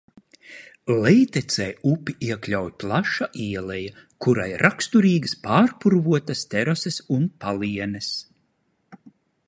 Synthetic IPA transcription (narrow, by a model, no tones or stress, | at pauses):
lɛjt̪ɛt̪sɛːupʲiʔiɛklʲawjplˠaʃaʔiɛlˠɛja | kuɾa̰jɾʔakst̪uɾiːɡɨspaːɾpuɾvuɔt̪ast̪ɛɾasɛsunpalˠiɛnɛs